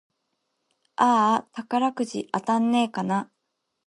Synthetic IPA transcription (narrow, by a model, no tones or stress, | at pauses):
aːt̪akaɾakɯ̟ʑḭʔat̪ãnːe̞ːkana